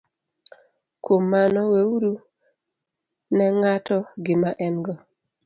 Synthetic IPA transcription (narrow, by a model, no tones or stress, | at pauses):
komːanɔweuɾu | nɛŋatɔɡɪmaʔɛnɡɔ